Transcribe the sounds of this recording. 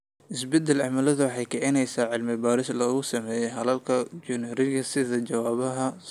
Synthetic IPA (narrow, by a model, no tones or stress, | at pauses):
ʔɪsbɛd̪ɛlʕɑʕmɐlɐðʊwɑħɑjkʰɛʕɪnɛjsaːʕɪlmɪbaːɾɪslɔːɣʊsɐmɛːjɛjɦɐlɐlkʰɐd͡ʒʊnɪɾɪɣɐsɪðɐt͡ʃɐwaːβɐɦɐ